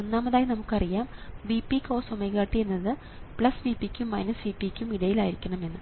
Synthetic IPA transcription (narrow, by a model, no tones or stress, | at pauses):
onːaːmɐðaːjinɐmukːɨɐrijaːmʋipːikʲo̞ːsomɐjɣaːʈːijenːɐðɨ | pɭɐsʋipːikʲːumːɐjnɐsʋipːikʲːumiɽɐjilaːjiɾikʲːɐɳɐme̞nːɨ